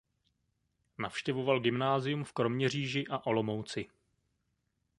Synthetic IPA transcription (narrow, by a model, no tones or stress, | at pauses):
nafʃcɛvo̞valɡɪmnaːzɪjumfkɾo̞mɲɛr̝iːʒɪʔaʔolo̞mowt͡sɪ